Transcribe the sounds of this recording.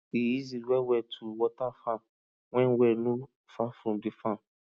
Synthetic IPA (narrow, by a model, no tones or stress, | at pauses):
ijiziwɛwɛtʰuwɔtafãm | wɛ̃nwɛnũ | fafɾɔ̃mdifãm